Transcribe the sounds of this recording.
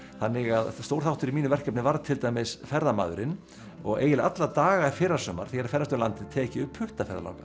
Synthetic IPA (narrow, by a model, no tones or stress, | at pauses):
θanːɪɣaðst̪owɾ̥θawht̪ʏɾimiːnʏvɛr̥kœp̚nɪvaɾt̪ʰɪlt̪aːjmɪsfɛɾðama̰ːðʏɾɪn | ɔɣeːjɪlʔat̪lat̪aːɣaɛfɪɾasœːma̰ɾ̥θejɛɾafɛɾðast̪œɾlant̪ɪt̪ʰɛːcɪʏphʏht̪afɛɾðala̰wka